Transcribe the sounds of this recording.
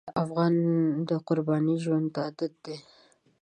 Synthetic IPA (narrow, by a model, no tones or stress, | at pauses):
afɣɑnd̪əqʊɾbɑniʒwand̪ɑd̪at̪̚d̪e